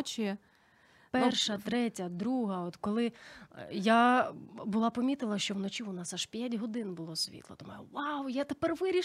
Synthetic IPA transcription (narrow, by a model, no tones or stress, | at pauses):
t͡ʃi | pɛrʃɐt̪ɾɛtʲɐd̪ɾuɦɐɔt̪kɔlˠɪ | ja | bʊlˠɑpɔmʲit̪ɪlˠɐʃt͡ʃɔwnɔt͡ʃʲiʊnɑsaʃpʲjatʲɦɔd̪ɪnbʊlˠɔsʲʋʲḭt̪lˠɔ̰t̪ɔmujʋawjat̪epɛrʋɪɾʲi